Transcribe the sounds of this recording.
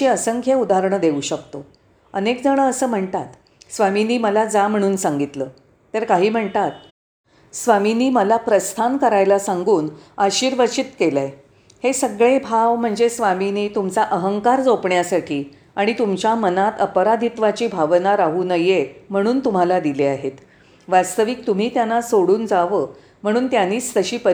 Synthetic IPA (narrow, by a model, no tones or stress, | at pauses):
iəsəŋkʰjəud̪aɾɳəd̪euːɕəkt̪o | ənekd͡zəɽ̃əəsəːm̤əɳt̪at̪ | sʋaminiːməlad͡zam̤əɽ̃uːnsaŋɡit̪ləː | t̪əɾkaɦiːm̤əɳt̪at̪̚ | sʋaminiːməlapɾəst̪ʰankəɾajlasaŋɡuːnaɕiːɾʋət͡ɕit̪kelaj | hesəɡɭebʱaʋm̤əɳd͡zesʋaminiːt̪umt͡saʔəɦəŋkaɾd͡zopɳjasaʈʰiː | aɽ̃it̪umt͡ɕjamənat̪əpəɾad̪ʱit̪ʋat͡ɕiːbʱaʋnaɾaɦuːnəjem̤əɽ̃uːnt̪um̤alad̪ileaɦet̪ | ʋast̪əʋiːk̚t̪um̤iːt̪janːasoɽuːnd͡zaʋə | m̤əɽ̃uːnt̪janiːt͡st̪əɕiːpə